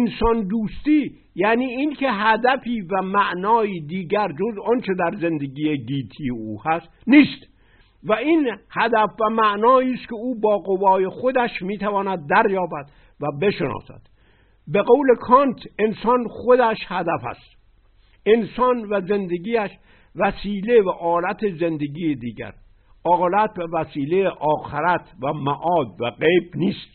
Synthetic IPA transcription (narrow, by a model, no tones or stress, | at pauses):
ensɒnd̪uːst̪iː | jæːniːiːnkʰe̞ɦæd̪æfiːvæmæʔnɒːiːd̪iːɡæɾd͡ʒozɒnt͡ʃʰe̞d̪æɾze̞nd̪eɡiːjeɟiːt̪ʰiːeuːhæst̪niːst̪ | væiːnhæd̪æfvæmæʔnɒːiːst̪kʲʰe̞uːbɒːɣovɒːje̞xod̪æʃmiːt̪ʰævɒːnæd̪̚ːæɾjɒːbæd̪ | væbe̞ʃenɒ̰ːsæ̰d̪̥ | beɣowle̞kʰɒnt̪ʰe̞nsɒnxod̪æʃhæd̪æfæ̰st̪ | ensɒnvæze̞nd̪eɡiːæʃ | væsiːle̞væʔɒːlæt̪ʰeze̞nd̪eɡiːjed̪iːɟæ̰ɾ | ɒːlæt̪̚bevæsiːlejeʔɒːxeɾæt̪ʰvæmæʔɒːd̪væɡejbniːst̪